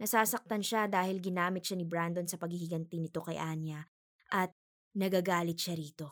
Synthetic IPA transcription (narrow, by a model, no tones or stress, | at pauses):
nɐsaːsɐk̚t̪ɐnʃad̪aːhɪlɡɪnaːmɪt̪̚ʃanɪbɾand̪onsɐpɐɡhɪhɪɡɐnt̪ɪnɪt̪o̞kɐjʔaːnjɐ | ʔɐt̪̚ | nɐɡaːɡaːlɪt̪̚ʃaɾiːt̪o̞